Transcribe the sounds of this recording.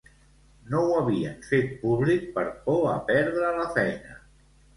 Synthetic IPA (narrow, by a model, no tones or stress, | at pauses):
nowəβ̞iəɱfet̪̚puβlik̚pəɾpoəpɛɾðɾələfɛjnə